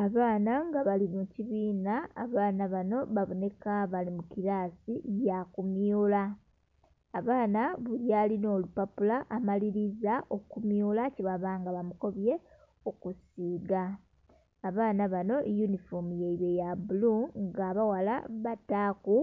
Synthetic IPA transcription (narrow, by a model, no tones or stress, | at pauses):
aβaːnaŋɡaβaliβuciβiːna̰ːβaːnaβano̞βaβo̞ne̞kaβalimukiɾaːsijakumjuːlaː | βaːnaβuljaːlino̞ːlupapulaʔamaliɾizaʔo̞kumjuːlaciβaβaːŋɡaβamuko̞βje̞ | okusiːɡaː | βaːnaβano̞junifomujeiβejabuluŋɡaːβawala̰βataːku